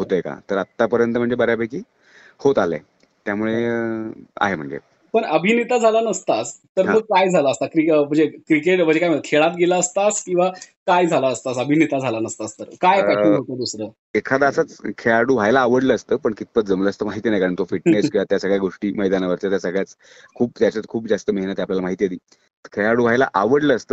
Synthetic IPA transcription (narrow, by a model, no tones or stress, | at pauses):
ɦot̪əeka̰t̪əɾat̪ːapəɾjənt̪əm̤əɳd͡zebəɾjabakiː | hot̪alḛ | t̪jamuɭe | a̰ɦem̤əɳd͡zḛ | pəɳəbʱinet̪ad͡zʱalanəst̪ast̪əɾɦaməɡ̚kajd͡zʱalaəst̪akɾim̤əɳd͡zekɾikeʈm̤əɳd͡zekajm̤əɭk̪ʰeɭat̪ɡelaəst̪askĩw̃ʋakajd͡zʱalaəst̪asəbʱinet̪ad͡zʱalanəst̪ast̪əɾkajpaʈiɡʱot̪əd̪usɾəː | ekʰad̪asat͡skʰeaɽuːʋ̤ʱajlaːʋəɽləːst̪əːpəɳkit̪̚pət͡s̪d͡zəmləːst̪əmaɦit̪iːnajkaɾəɳt̪ofiʈneskeat̪jasəɡɭjaɡoʂʈiːməjd̪anaʋəɾt̪at̪jasəɡɭjat͡s | kʰuːpt̪jat͡ɕat̪kʰuːpd͡zast̪əməɦinət̪japljalamaɦit̪iːjed̪iː | t̪əkʰeɭaɽuːʋ̤ʱajla̰ʔaʋəɽləːst̪əː